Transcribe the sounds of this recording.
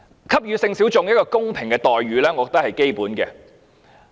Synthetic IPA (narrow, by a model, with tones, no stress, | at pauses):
kʰɐ˥p̚jyː˨˧sɪ˧ŋsi˨˥wt͡sʊ˧ŋjɐ˥t̚kɔː˧kʊ˥ŋpʰɪ˨˩ŋkɛː˧t̪ɔː˨jɥyː˨˧lɛː˥ŋɔː˨˧kɔ˨t̪ɐ˥hɐ˨jke˥jpuː˨˥nkɛː˧